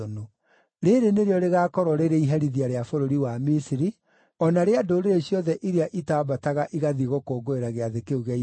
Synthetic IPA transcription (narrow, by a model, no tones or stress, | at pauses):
ono | ɾeɾeneɾeɔɾeɣaːkɔɾɔɾeɾeiɦaɾiðiaɾeafoɾoɾiwamisiɾi | ɔnaɾeadoɾeɾeɕjɔðɛʔiɾeaʔitabataɣaʔiɣaðiɣɔkoːɡoeɾaɣeaðekeuɣai